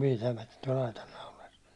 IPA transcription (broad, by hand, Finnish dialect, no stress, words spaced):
pitæmætæ̥ tuɒl ɑitɑn nɑulɑs